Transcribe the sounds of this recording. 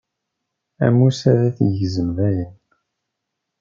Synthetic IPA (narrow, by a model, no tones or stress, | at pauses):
æ̰musæðæθjəzəmvæjən